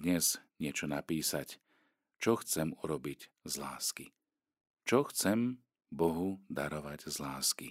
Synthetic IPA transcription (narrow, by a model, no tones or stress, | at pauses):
d̪ɲɛz̥ɲɪɛt͡ʃɔnapiːsac | t͡ʃɔxt͡sɛmuɾɔbiɟ | zla̰ːski | t͡ʃɔxt͡sɛm | bɔɦud̪aɾɔʋaɟzlaːskḭ